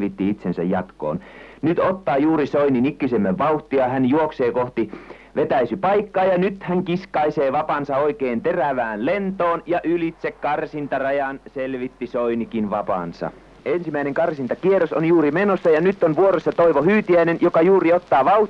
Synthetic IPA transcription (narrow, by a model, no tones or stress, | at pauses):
ʋit̪ːiit̪sensæ̰jjɑ̰t̪ko̰ːn | nyt̪ot̪ːɑːjuːrisoininikːysemːæʋʋɑuht̪iɑhænjuokseːkoht̪i | ʋet̪æisypɑikːɑːjɑnyt̪hæŋkiskɑiseːʋɑpɑnsɑoikeːnt̪eræʋæːnlent̪oːnjɑʔylit̪sekkɑrsint̪ɑrɑjɑnselʋit̪ːisoinikinʋɑpɑ̰nsɑ̰ | ensimæineŋkɑrsint̪ɑkieroso̰njuːrimenosːɑjɑnyt̪ːonʋuoresːɑt̪oiʋohyːt̪iæinenjokɑjuːriot̪ːɑːʋɑuh